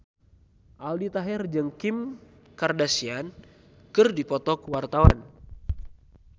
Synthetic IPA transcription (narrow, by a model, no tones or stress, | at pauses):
ʔaldit̪aɦɛrd͡ʒəŋkim | kardasian | kɨrdipɔt̪ɔkwart̪awa̰n